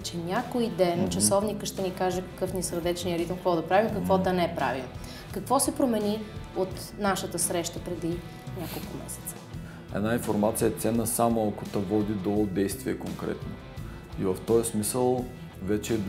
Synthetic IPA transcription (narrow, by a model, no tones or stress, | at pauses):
t͡ʃɛnʲakoid̪ɛnt͡ʃɐsɔvnikəʃt̪ɛnikaʒɛkə̥kɤfnisəɾd̪ɛt͡ʃnijəɾit̪əmkvɔd̪ɐpɾavimkəkvɔd̪ɐnɛɛpɾa̰vim | kɐkvɔsɛpɾomɛniot̪ | naʃət̪əsɾɛʃt̪əpɾɛd̪i | nʲakolˠkʊmɛ̰sɛ̥t̪sə̥ | ɛ̰d̪nainfoɾmat̪sijəɛt̪sɛnːəsamoɐkot̪ɐvɔd̪id̪od̪ɛjst̪vʲiɛkoŋkɾɛ̰t̪no | ivəft̪ɔjsmisəlˠ | vɛt͡ʃɛ